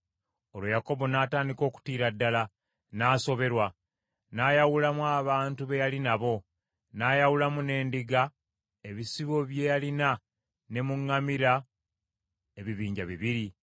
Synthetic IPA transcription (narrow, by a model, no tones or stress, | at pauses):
o̞lwojako̞bo̞naːtaːndiko̞ːku̥tiːɾadːala | naːso̞βe̞ɾwa | naːjawulamuaːβaːntuβe̞jalinaβo̞ | naːjawulamune̞ːndiɡa | e̞βisiβo̞βje̞jalina | ne̞muŋːamiɾa | e̞βiβiːɲɟaβiβiɾi